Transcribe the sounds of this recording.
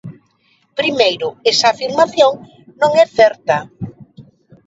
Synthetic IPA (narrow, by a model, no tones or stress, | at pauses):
pɾimejɾʊesaːfiɾmaθjoŋ | nõŋɛθɛɾt̪ɐ